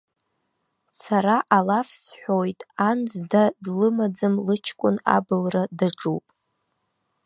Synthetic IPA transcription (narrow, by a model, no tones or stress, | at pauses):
saɾaʔalafsħʷᶣojtʼand͡zdadlɨmad͡zɨmlɨt͡ʃʰkʷʼʊna̰bɨlradaʈ͡ʂʼupʼ